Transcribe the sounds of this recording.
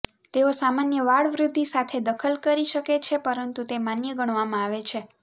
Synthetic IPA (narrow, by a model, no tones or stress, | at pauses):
t̪eosamanjəʋaɭʋɾud̪ʱːisat̪ʰed̪əkʰəlkəɾiʃəket͡ʃʰepəɾənt̪ut̪emanjəɡəɳ̃ʋamãaʋet͡ʃʰe